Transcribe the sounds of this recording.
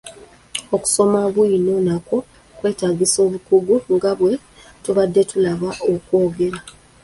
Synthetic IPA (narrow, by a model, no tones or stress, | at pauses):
oku̥so̞maβwino̞nako̞ | kwe̞ːtaːɡiso̞ːβukuɡuŋɡaβwe̞ | tuβadːe̞tulaβaʔokwo̞ːɡe̞ɾa